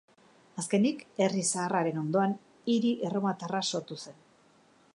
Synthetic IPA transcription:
aske̞nike̞risaːraɾe̞no̞nd̪o̞an | iɾiʔero̞mat̪araso̞ɾt̪use̞n

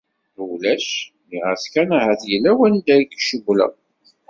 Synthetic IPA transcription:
læʃ | niʁəθkænahæθjəlːæwænid̪æɾikːʃəɡʷlæ̰

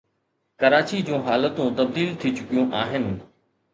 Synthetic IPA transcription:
kɐɾaːt͡ɕid͡ʑũːɦaːlət̪ũt̪ɐb̚d̪iːlt̪ʰit͡ɕʊkijũʔaːɦɪnɪ̆

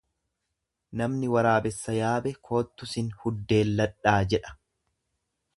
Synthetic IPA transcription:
nɐmnɪwɐɾaːbɛsːɐjaːbɛkʰo̞ːt̪ːʊsɪnhʊd̪ːe̞ːlːɐᶑaːd͡ʒɛᶑɐ̥

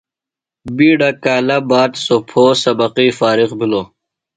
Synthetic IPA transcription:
biːɖɐkaːlɐbaːt̪sopʰoːsɐbɐqiːfaːɾiqbiloː

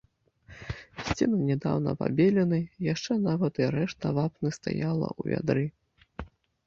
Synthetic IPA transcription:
sʲt͡sʲinɨnʲɛd̪a̰wnɐ̰pa̰bʲelʲɛnɨjaʂt͡ʂɛnavɐt̪iɾɛʂt̪ɐvapnɨst̪a̰jalˠɐ̰ʔuvʲa̰d̪ɾɨ

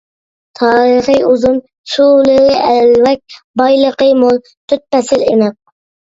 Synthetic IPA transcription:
t̪ʰɑːɾəχɨuzum | ʃulɨɾɪʔɛlwɛk̚ʲbɑjlˠəqəmolˠ | t̪ʰyt̪̚pɛsɪlemɛq̚

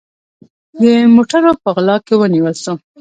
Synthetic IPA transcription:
d̪əmoʈaɾopəɣlɑkewəniwəlso

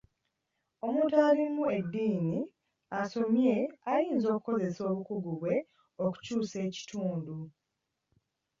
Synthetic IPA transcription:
o̞mutaːlimːue̞dːiːni | aso̞mje̞ajiːnzo̞ːku̥ko̞ze̞so̞ːβukuɡuβwe̞ | oku̥cuːse̞ːci̥tʰuːndu

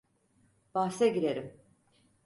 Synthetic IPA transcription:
b̥asɛɟiɾeɾim

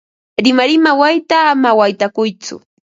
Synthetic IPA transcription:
ɾɪmaɾɪmawajt̪aːmawajt̪akʊjt͡sʊ̰

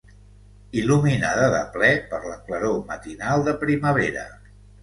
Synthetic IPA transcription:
iluminaðəðə̰plɛpəɾləkləɾomət̪inalˠd̪əpɾiməβ̞eɾə̰

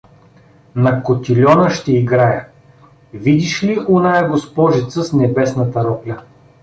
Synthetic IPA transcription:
nɐkot̪ʲilʲɔnəʃt̪ɛiɡɾajə | vid̪iʃliʔonajəɡospɔʒɛt̪səsnɛbɛsnɐt̪ɐɾɔplʲɐ

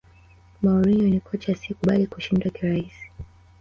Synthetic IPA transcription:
mauɾiɲɔnikʰɔt͡ʃasikuɓalikuʃindwakiɾaisi̥

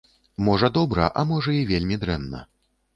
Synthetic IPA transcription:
mɔʐɐd̪ɔbɾɐ̰ʔamɔʐɐivʲelʲmʲid̪ɾɛnːɐ̰

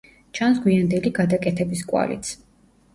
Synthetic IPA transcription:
t͡ʃʰansɡwiand̪ɛliɡad̪akʼɛt̪ʰɛbiskʼwa̰lḭt̪sʰ

